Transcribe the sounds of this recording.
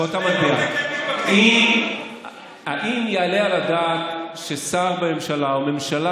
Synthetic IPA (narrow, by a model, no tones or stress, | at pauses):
ot̪amaʃbia | im | haʔimjealealad̪aːt̪ʃe̞saʁbeme̞mʃalaome̞mʃala